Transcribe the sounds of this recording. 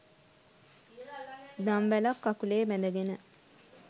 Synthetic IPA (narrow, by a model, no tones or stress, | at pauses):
d̪amʋælakːakuleːmɛd̪əɡenə